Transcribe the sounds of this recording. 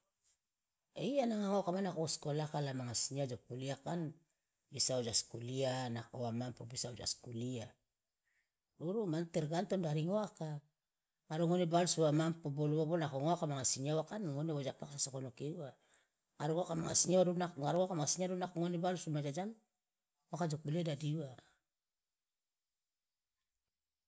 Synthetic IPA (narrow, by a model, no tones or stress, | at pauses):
eianaŋaŋokamanakooskolakalamaŋasiɲiad͡ʒopuliakan | bisawd͡ʒaskulianakoamampobisaod͡ʒa̰skulia | ɾuɾumanteɾɡantondaɾiŋoaka | ŋaɾuŋonebalsuamampoboluβobonakoŋoakamaŋasiɲawakanŋoneβod͡ʒapaksasokonokeua | ŋaɾuoakamaŋa̰siɲawaɾuaŋaɾuakamaŋasiɲaɾunakoŋonebalsumad͡ʒad͡ʒan | oakad͡ʒok̚biledadiua